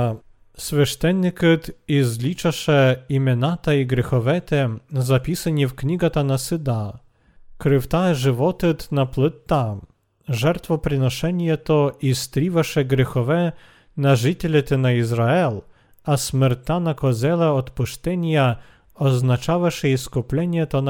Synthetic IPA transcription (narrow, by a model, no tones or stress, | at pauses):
sfʲɛʂt̪ɛnːɨkɨt̪izlʲit͡ʂaʂɛimʲɔnat̪aiɡɾɛxɔvɛt̪ɛzapʲisanʲifkɲʲiɡat̪anasɨd̪a | kɾɨft̪aʐɨvɔt̪ɨt̪naplɨt̪ːa | ʐɛɾt̪fɔpɾɘnɔʂɛnʲjɛt̪ɔist̪ɾʲivaʂɛɡɾɛxɔvɛ | naʐɨtʲɛlʲɛt̪ɛnaizɾaɛl | asmɛɾt̪ːanakɔzɛlɛɔt̪puʂt̪ɛnʲja | ɔznat͡ʂavaʂɛjɛskɔplʲɛnʲɛt̪ɔn